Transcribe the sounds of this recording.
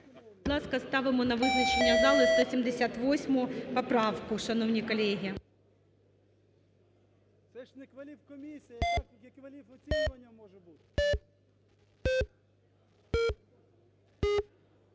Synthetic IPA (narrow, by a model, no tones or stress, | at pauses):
d̥̪lˠɑskɐst̪ɑʋɪmɔnɐʋɪznɐt͡ʃenʲːɐzɑlˠɪst̪ɔsʲimd̪esʲat̪ʋɔsʲmʊpɐpɾɑwkʊʃɐnɔwnʲikɔlʲɛɦʲi | sɛʃnkʋɐlʲiwkɔmʲisʲi | iɐːɐmɔbu